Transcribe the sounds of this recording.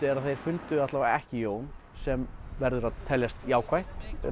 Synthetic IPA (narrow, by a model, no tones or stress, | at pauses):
ɛɾaðθejɾ̥fʏnt̪ʏaht̪lavaɛhcɪjoːwn | sɛmvɛɾðʏɾaðt̪ʰːɛljast̪jaːwkʰvajht̪